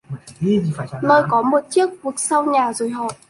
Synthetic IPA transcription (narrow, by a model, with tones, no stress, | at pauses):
no˧jkɔ˨˦mo˨˩t̚t͡ɕi˦˥ək̚ku˨˩ək̚sa˧wɲaː˨˩zo˨˩jɦɔ̰˧˨ʔ